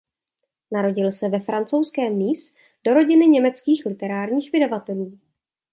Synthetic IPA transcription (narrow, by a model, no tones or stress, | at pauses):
naɾo̞ɟɪlsɛvɛfɾant͡so̞wskɛːmːiːs | d̥o̞ɾo̞ɟɪnɪɲɛmɛt͡skiːxlɪt̪ɛɾaːɾɲiːxvɪdavat̪ɛluː